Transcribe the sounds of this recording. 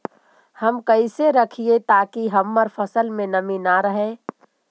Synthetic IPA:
hɐmkɐɪseɾɐkʰiet̪aːkiɦɐmːəɾfɐsəlmẽnɐminaɾɐɦe

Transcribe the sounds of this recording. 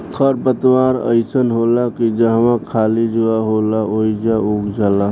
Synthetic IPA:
kʰəɾpət̪waːɾə̰ɪsənɦoːlakid͡ʒəɦʋãkʰaːlid͡ʒuaɦoːlaoid͡ʒaukd͡ʒaːla

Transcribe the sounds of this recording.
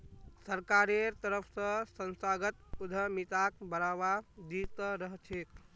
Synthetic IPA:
səɾkaɾeɾt̪əɾəpʰsə̃sənsaɡət̪ud̪ʱəmit̪akbəɾaʋad̪it̪əɾəɦt͡ʃʰek

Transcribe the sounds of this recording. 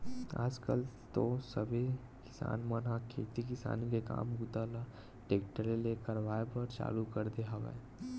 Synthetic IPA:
a̰ːd͡ʒkəlt̪osɐbʱe | kɪ̥sa̰ːnmənãkʰeːt̪ikɪsa̰ːnikeka̰ːmɡut̪aːla | ʈeːkʈəɾeleːkəɾʋaːepəɾt͡ʃa̰ːlukɐɾd̪eɦaʋɛ̰

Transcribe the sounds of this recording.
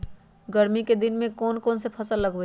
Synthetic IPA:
ɡəɾmiked̪ɪnmẽkɔːnkoːnsepʰɐsəlːəɡe

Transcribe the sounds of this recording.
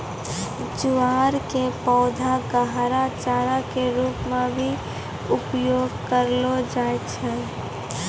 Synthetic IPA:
d͡ʒuaːɾkepɔːd̪ʱaɡəɦɾat͡ʃaːɾakeɾuːpmẽbʱi | ʊpjoːɡkəɾlod͡ʒaːet͡ʃʰɛ

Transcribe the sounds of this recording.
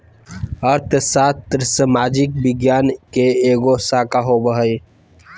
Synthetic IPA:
əɾt̪ʰsaːt̪ːɾsəmaːd͡ʒɪk̚bɪɡjaːnkeeːɡosaːkaɦobəɦəj

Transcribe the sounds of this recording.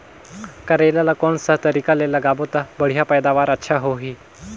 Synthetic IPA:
kəɾelalakoɳsat̪əɾikalelaɡabot̪abəɽ̤japəjd̪aʋaɾətːɕʰaɦoɦiː

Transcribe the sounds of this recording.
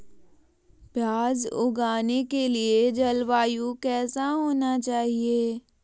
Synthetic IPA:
pjaːzʊ̰ɡaːnekelied͡ʒɐlʋaːjukɛːsaɦoːnat͡ʃaːɦieː

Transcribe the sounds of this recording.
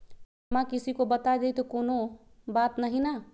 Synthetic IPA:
mãkɪsikobət̪aed̪et̪ekoːno | baːt̪nəɦĩna

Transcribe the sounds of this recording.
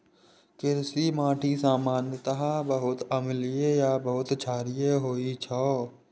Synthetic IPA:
kɪɾsimãːʈʰisaːmaːnjət̪əɦãbəɦʊt̪əmliejabəɦʊt̪t͡ʃʰaːɾijeɦoːit͡ʃʰɔː

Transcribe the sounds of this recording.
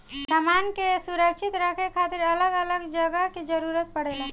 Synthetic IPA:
səmankesuɾəkʃʰit̪ɾəkʰekʰat̪iɾələɡələɡd͡ʒəɡəked͡ʒəɾuɾət̪̚pəɽelə̃

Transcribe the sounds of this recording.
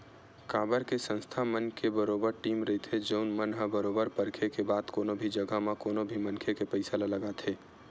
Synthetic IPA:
kaːbəɾkesə̃nst̪ʰamənkebəɾobəɾʈiːmɾəit̪ʰed͡ʒəʊnmənɦabəɾoːbəɾpəɾkʰekebaːd̪koːnobʱid͡ʒəɡəmakoːnobʱimənkʰekepəɪsalaləɡat̪ʰeː

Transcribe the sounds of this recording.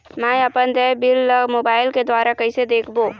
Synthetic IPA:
mɛ̃ːɐpənd̪ɛːbɪlmoːbaːɪlked̪waːɾakɐɪsed̪eːkʰboː

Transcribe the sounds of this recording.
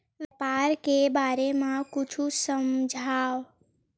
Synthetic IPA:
ʋjəpaːɾkebaːɾemãkʊt͡ʃʰusəmd͡ʒʱaːʋ

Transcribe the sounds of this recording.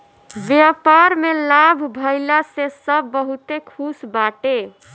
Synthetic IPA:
bjapaɾmelabʱbʱəjlasesəbːəɦut̪ekʰusbaʈe

